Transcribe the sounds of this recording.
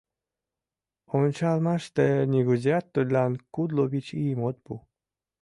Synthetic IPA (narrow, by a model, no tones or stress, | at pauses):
ont͡ɕalmaʃt̪ɛnʲeɡuzʲjat̪ːod̪ʲlʲankud̪lobit͡ɕimot̪̚bu